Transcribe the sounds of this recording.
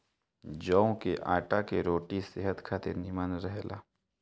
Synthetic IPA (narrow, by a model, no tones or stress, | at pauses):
d͡ʒɔːõkeʔaːʈakeɾoːʈisɪɦət̪kʰat̪enɪmənɾəɦlʔa̰ː